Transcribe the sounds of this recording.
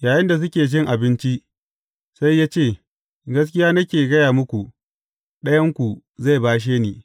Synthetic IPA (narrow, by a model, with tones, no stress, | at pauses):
jaː˨jɪ˦nda˨s̬ʊ˦kʲeː˨d͡ʒɪ˦ŋʔa˨bɪ˦nt͡ʃi˦ʔ | sa˦jːaː˦t͡ʃeː˦˨ | ɡɐ˦s̬kʲɪ˦jaː˦nɐ˦kʲeː˨ɡɐ˦jaː˨mʊ˦kʷu˨ | ɗɐ˦jɐ˦ŋkʷu˨ | za˦˨jbaː˦ʃ̬eː˦niː˨